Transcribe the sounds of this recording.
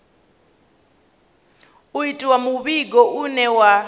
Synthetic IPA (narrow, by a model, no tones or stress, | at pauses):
uitʼiwamuɓiɡɔʔunɛwa